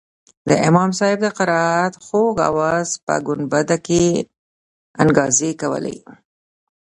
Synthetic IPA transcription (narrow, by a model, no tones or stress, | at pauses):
d̪əɪmɑmsɑhɪb̚d̪əqaɾɑat̪xoɡa̰wɑzpə̰ɡʊnbad̪ake | aŋɡɑzekawə̰lḛj